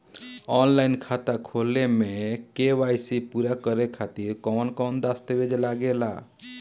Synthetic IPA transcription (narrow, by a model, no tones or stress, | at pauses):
ɔːnlaɪnkʰat̪akʰolemẽkeʋajsipuɾakəɾekʰat̪iɾkɔːnkɔ̃ːnd̪ast̪ebed͡ʒlaɡela̰